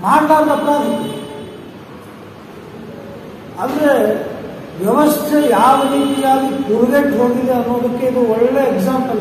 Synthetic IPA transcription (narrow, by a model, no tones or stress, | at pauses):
maːɽd̪aːɾt̪ɐpːɾaːd̪i | and̪ɾe | ʋjɛʋɐst̪ʰejaːʋɐɾiːt̪ijaːɡikuɾud̪eʈɦoːɡid̪eɐnːoːd̪ɐkːe̞id̪uɔɭːɭeːɡzaːmpɐl